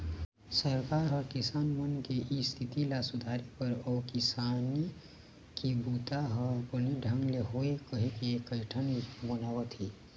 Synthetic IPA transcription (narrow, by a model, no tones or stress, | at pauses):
səɾkaɾɦəɾkisanmənkeʔist̪ʰit̪ilasud̪ʱaɾipəɾɔkisani | kibut̪aɦəbəliɖʱəŋɡleɦoekəɦekekəɪʈʰənbənabət̪ʰi